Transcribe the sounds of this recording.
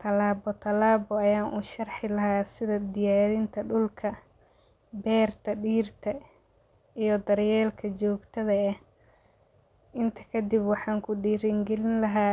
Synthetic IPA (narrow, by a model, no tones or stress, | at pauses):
t̪ʰɐlaːbɔt̪ʰɐlaːbɔɐjaːnʔuːʃɐrħɪlɐɦaːsɪðɐd̪ɪjaːðɪnt̪ʰɐɖʊlkʰɐ | bɛːrt̪ʰɐɖiːrt̪ʰɐ | ijɞd̪ɐrjɛːlkʰɐt͡ʃɔːɡt̪ʰɐðɐɛh | ʔɪnt̪ʰɐ̥kʰɐd̪ɪbwɑħɑːŋkʰʊɖiːɾɪŋɡɛlɪnlɐɦaː